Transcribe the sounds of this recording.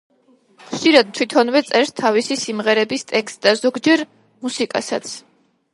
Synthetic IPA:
χʃiɾad̪̚t̪ʰwit̪ʰɔnvɛt̪sʼɛɾst̪ʰavisisimʁɛɾɛbist̪ʼɛkst̪d̪̥azɔɡd͡ʒɛɾ | musikʼa̰sa̰t̪sʰ

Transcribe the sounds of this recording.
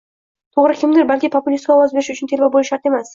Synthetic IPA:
t̪ʰoʁɾɪkʲʰɪmd̪ɪɾbalʲkʲɪpʰopʊlʲist̪̚kʲɒwɑzbe̞ɾɪʃʊt͡ʃʰɪnt̪ʰe̞ɾbʲawbolˠɪʃɑɾt̪e̞mas

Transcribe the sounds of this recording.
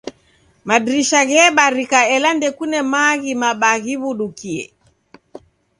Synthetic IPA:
maɗɾiʃaɣɛɓaɾikaɛlandɛkunɛmaɣimaɓaɣiβuɗukiɛ̰

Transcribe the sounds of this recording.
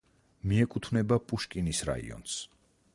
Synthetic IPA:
miɛkʼut̪ʰvnɛbapʼuʃkʼinisɾa̰ḭɔ̰ns

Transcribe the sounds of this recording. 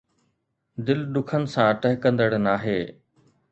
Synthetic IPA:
d̪ɪlɗ̪ʊkʰənɪ̆sãʈəɦkɐ̃nd̪əɽnaːɦeː

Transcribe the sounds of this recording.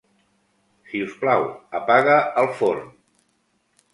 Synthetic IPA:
siusplawəpaɣəəlˠfon

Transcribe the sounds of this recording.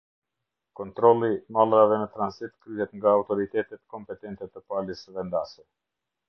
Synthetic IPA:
kɔnt̪ɾɔlˠimalˠɾavɛnət̪ɾansit̪kɾyɦɛt̪ŋɡaːwt̪ɔɾit̪ɛt̪ɛt̪kɔmpɛt̪ɛnt̪ɛt̪əpalisðɛnd̪asɛ

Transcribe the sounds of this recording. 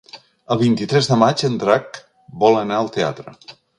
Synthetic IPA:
əlˠβint̪it̪ɾɛzðəmad͡ʒənd̪ɾak | bɔlənaəlˠt̪ea̰t̪ɾə̰

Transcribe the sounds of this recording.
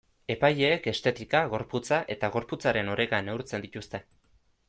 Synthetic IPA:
e̞paje̞ːke̞st̪e̞t̪ikaɣo̞ɾput͡saʔe̞t̪aɣ̞o̞ɾput͡saɾe̞no̞ɾe̞ɣane̞wɾt͡se̞nd̪it̪ust̪e̞

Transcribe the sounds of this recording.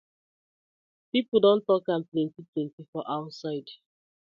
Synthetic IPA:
pipl̩ˠdõntɔkãmplẽntiplẽntifɔʔaʊtsaɪd

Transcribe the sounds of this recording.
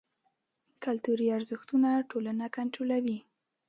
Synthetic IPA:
kalt̪uɾiaɾzəxt̪unaʈolanakaɳʈɾolawi

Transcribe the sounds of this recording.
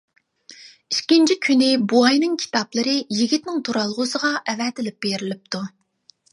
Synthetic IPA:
iʃkʲint͡ʃʰikʲʰynɪbuɑjnɨŋkʲʰi̥t̪ɑplˠɨɾɨjiɡʲit̪nɪŋt̪ʰuɾɑlˠʁʊsəʁɑʔɛvɛt̪ʰɪlɪp̚b̥eɾɪlɪp̚t̪ʰu

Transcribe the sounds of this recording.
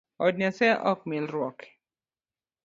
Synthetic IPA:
ɔd̚nasɛʔɔk̚milɾwɔk

